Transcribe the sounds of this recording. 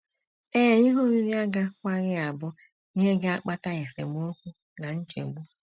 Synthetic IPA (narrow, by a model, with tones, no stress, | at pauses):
e˦˨i˦ɦu˦ɾi˦ɾi˦a˦ɡa˦kʷa˦ɣɪ˦a˨bʊ˦ | i˦ɦe˦ɡa˦k͡pa˦ta˦ɣe˨sḛ˨m˦o˦kʷu˦ | na˨n̩˦t͡ʃḛ˨ɡ͡bu˦